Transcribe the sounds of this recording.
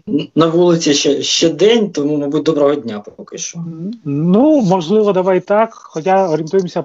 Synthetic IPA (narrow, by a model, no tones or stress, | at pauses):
nɐʋulˠɪt͡sʲiʃɛʃt͡ʃɛd̪ɛnʲt̪ɔmumɐbut̚ʲd̪ɔbɾɔɦɔdʲnʲapɔkɪʃt͡ʃɔnumɔʒlˠɪʋɔd̪ɐʋajt̪ɑkxɔtʲaɔɾʲint̪ujemsʲɐ